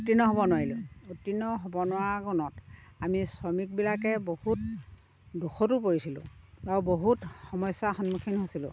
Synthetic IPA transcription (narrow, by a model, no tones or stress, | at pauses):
utːinɔɦɔbɔnʊwaɹilʊ̃utːinɔɦɔbɔnʊwaɡɔnɔtamisɔmik̚bilakɛbohut | duxɔtupoɹisilʊ̰̃awboɦutxɔmɔjsaxɔnmukʰinɦosilʊ̰̃